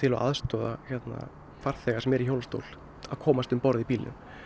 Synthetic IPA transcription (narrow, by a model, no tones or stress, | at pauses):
t̪ʰɪlɔ̰ʔaðst̪ɔːðaçɛt̪na̰ | faɾ̥θɛɣasɛmɛɾiçowlst̪o̰wl | aðkʰɔːmast̪ʏmpɔɾðipiːlɪ̰n